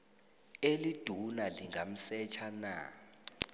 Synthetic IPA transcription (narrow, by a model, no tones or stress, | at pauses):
elid̥ʱunaliŋam̩sɛt͡ʃʰana